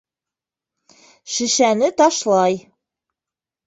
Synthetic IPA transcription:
ʃɘ̆ʃænɘt̪ɒʃlˠɑj

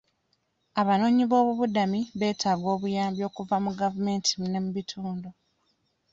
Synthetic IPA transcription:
aβano̞ːɲiβo̞ːβuβudamiβe̞ːtʰaːɡo̞ːβujaːmbjo̞ːkuvamuɡavume̞ːntʰimne̞muβitʰuːndo

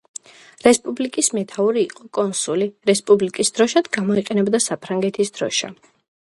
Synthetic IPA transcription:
ɾɛspʼublikʼismɛt̪ʰauɾiːqʼɔkʼɔnsuliɾɛspʼublikʼisd̪̥ɾɔʃad̪ɡamɔiqʼɛnɛbd̪asapʰɾaŋɡɛt̪ʰisd̪ɾɔʃa̰

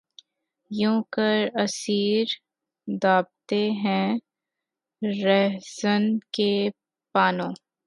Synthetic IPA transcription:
jũːkəɾɐsiːɾ | d̪aːb̚t̪eɦɛ̃ | ɾɛɦzənke | paːnõː

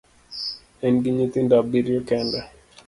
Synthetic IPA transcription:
ɛnɡiɲit̪ɪndabiɾjɔkɛndɛ

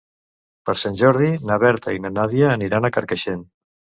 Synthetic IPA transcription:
pəɾsanʲʒɔɾð̞inaβɛɾt̪əinənaβiəːniɾanəkəɾkəʃen

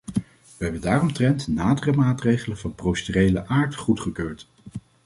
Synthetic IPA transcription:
ʋəɦɛbəndaːrɔmtrɛntnaːdərəmaːtrejχələnvɑnprowstyrejləʔaːɹtχutχəkøːɹt

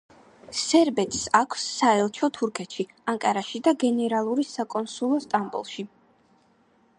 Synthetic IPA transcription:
sɛɾbɛt̪ʰʼsakʰsːaɛlˠt͡ʃʰɔt̪ʰuɾkʰɛt̪ʃi | aŋkʼaɾaʃid̪aɡɛnɛɾalˠuɾisakʼɔnsulˠɔst̪ʼambṵlˠʃi

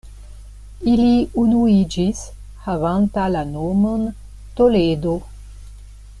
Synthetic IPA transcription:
iliunuid͡ʒis | havant̪alanomən | t̪oled̪o

